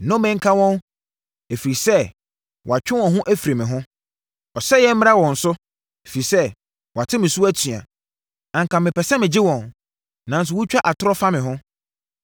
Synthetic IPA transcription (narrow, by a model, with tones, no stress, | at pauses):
nʊ̃˦mɪ̃˦ŋ̩˦kʰa˦wɔ̃˦n | e˨fi˨ɾi˨sɛ˦ | wɔ˨a˨t͡ɕᶣɪ̃˦wɔ̃˨ɦʊ̃˦ʔæ˦fi˨ɾe˨mɪ̃˨ɦʊ̃˦ | ɔ˨sɛ˦jɛ˦m̩˦mɪ̃˦a˦wɔ̃˨n̩˨sʊ˦ | e˨fi˨ɾi˨sɛ˦ | wɔ˨a˨tʰɪ˦mɪ̃˨su˦æ˦tʰɥa̰˨ | ã˨ŋ̩˨kʰã˨mɪ̃˨pʰɛ˨sɛ˦mɪ̃˨d͡ʑɪ˦wɔ̃˨n | nã˨n̩˦s̬ʊ˨wʊ˦t͡ɕᶣa˦ʔa˨tʰʊ˦ɾɔ˦fa˦mɪ̃˨ɦʊ̃˦